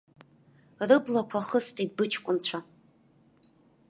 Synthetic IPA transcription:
rɨblakʷʰaχəstʼid̚bɨt͡ʃʰkʷʼʊnt͡ɕʷʰa

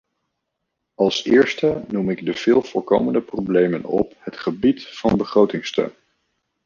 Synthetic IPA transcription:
ɑlˠsɪːɹstənumɪɡdəv̥ɪːlˠv̥ɔlˠko̰wməndəprowblejmənɔ̰phətχəbitfɑnbəχrowtɪŋstø̰ɥn

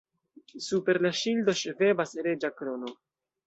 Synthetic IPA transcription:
supe̞ɾlaʃildo̞ʃeve̞basɾe̞d͡ʒakɾo̞no̞

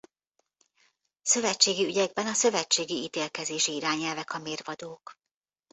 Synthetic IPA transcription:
sø̞vɛt͡ʃːeːɡiyɟɛɡ̚bɛnɒsø̞vɛt͡ʃːeːɡiit̪eːlkɛzeːʃiiɾaːɲɛlvɛkɒmeːrvɒd̪oːk

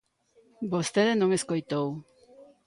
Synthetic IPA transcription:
bost̪eðenoŋeskojt̪ow

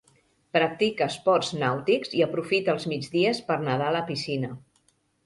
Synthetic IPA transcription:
pɾək̚t̪ikəːspɔrznawt̪ikziəpɾufit̪əlˠzmid͡ʒðiəspəɾnəð̞aləpisinə

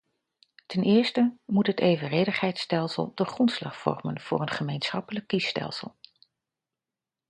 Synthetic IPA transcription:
tɛnʔɪːɹstəmutɦətejvərejdəχɦɛjtstɛlˠsə̰lˠdəχrɔntslɑ̰χfɔ̰rmənv̥ʊ̰ːɹənχəmejnsχɑpələkːistɛ̰lˠsə̰lˠ

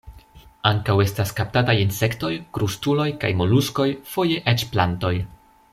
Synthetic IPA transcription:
aŋkawe̞staskap̚tatajinse̞kto̞jkɾustulo̞jka̰jmo̞lusko̞jfo̞je̞ʔet͡ʃplanto̞j

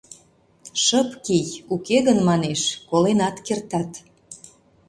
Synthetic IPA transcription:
ʃəpkijukeɣənmɑneʃkolenɑt̪kert̪ɑt̪

